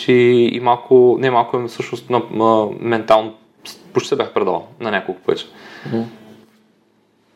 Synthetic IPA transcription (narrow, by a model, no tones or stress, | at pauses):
iḭmalˠkʰʊnɛmalˠkʊɛmsɤʃnʊst̪nɐəmɛnt̪alˠno | spʊʃt̪it̪ɛbʲaxpɾɛd̪a̰lˠnɐnʲakolˠkʊpoɛ̰t͡ʃɛ̥